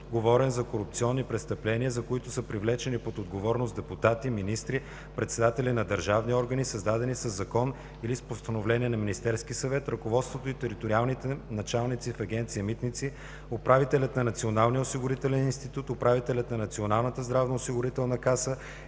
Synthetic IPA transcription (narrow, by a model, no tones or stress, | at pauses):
ɡovɔɾɛnzɐkoɾʊp̚t̪siɔnːipɾɛt̪st̪ɐplɛnʲiəzɐkoit̪ʊsəpɾivlɛt͡ʃɛnipot̪od̪ɡovɔɾnosd̪ɛpʊt̪at̪iminist̪ɾi | pɾɛt̪sɛd̪at̪ɛlʲinɐd̪əɾʒavniɔɾɡənisɐzd̪ad̪ɛnisəzːɐkɔn | ilispost̪ɐnovlɛniɛnɐminist̪ɛɾsk̟ʲisɐvɛt̪ɾɐkovɔt̪st̪vot̪oit̪ɛɾit̪oɾialˠnit̪ɛnɐt͡ʃalˠnit̪sifɐɡʲɛnt̪sijəmit̪nit̪si | opɾavit̪ɛlʲət̪nɐnɐt̪sionalˠnijəʊsiɡʊɾit̪ɛlɛninst̪it̪ut̪opɾavit̪ɛlʲɐt̪nɐnɐt̪sionalˠnət̪əzd̪ɾavnoʊsiɡʊɾit̪ɛlˠnɐkasə